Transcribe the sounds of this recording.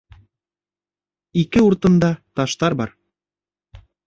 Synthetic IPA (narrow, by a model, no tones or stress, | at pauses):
ikɘuɾt̪ɤ̆nd̪ɑt̪ɑʃt̪ɑɾbɑɾ